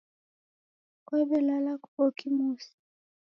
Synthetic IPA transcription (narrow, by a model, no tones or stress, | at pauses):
kwɛbɛlalakubokimusi̥